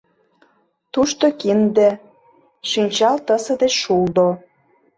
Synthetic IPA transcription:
t̪uʃt̪okind̪ĕ | ʃinʲt͡ɕɑlt̪əsɤ̆d̪et͡ɕʃuld̪o

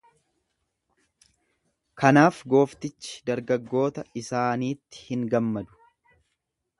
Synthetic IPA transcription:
kɐnaːfɡo̞ːft̪ɪt͡ʃːɪ̥d̪ɐɾɡɐɡːo̞ːt̪ɐɪsaːniːt̪ːɪ̥hɪŋɡɐmːɐd̪ʊ̥

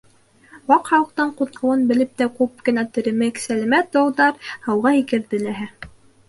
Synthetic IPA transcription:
wɑqhɑwɤ̆q̚t̪ɑɴqut̪̚qʰɤ̆wɤnbɘ̆lɘp̚t̪ækup̚kɘ̆næt̪ɵ̆ɾɘ̆mɘksælæmæt̪̚d̪ɑwðɑɾhɑwʁɑikɘ̆ɾðɘ̆læɦæ

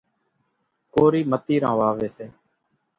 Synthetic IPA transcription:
koːɾiːmət̪iːɾãːʋaːʋeːseː

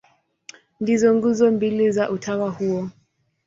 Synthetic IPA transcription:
ndizɔŋɡuzɔmbilizaʔutʰawahuɔ

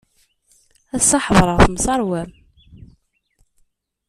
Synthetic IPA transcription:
æsːɑħəðˤɾˤəʁθmsˤɑɾˤwæm

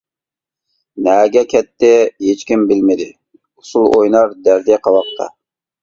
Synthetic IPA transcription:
nɛɡʲɛkʲʰɛt̪ːɪɦet͡ʃkʲimbɪlmɪd̪ɪ | ʊ̥sulˠʔojnɑɾd̪æɾd̪iqʰɑwɑq̚t̪ʰɑ̰

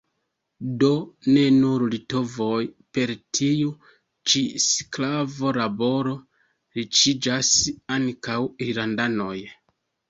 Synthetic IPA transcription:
do̞ne̞nuɾlito̞vo̞jpe̞ɾtʰiu | t͡ʃisklavo̞labo̞ɾo̞ | ɾit͡ʃid͡ʒasaŋkawilandano̞j

